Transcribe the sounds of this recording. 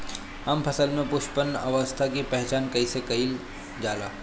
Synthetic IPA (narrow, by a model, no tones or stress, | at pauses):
əmpʰɐsəlmẽpʊʃpənɐʋəst̪ʰakipɛɦt͡ʃaːnkɐisekɐiːl | d͡ʒaːla̰ː